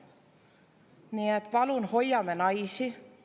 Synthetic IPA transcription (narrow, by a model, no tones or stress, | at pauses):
niet̪ːpɑlunho̞jɑmenɑjsi